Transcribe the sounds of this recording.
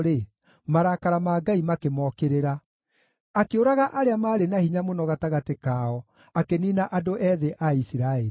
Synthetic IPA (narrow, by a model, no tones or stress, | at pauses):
ɾe | maɾakaɾamaːɡaimakemɔkeɾeɾa | akeoɾaɣaʔaɾeamaːɾenahiɲamonɔɣataɣatekaːɔ | akeninaʔadoʔɛðeʔaisiɾaeɾi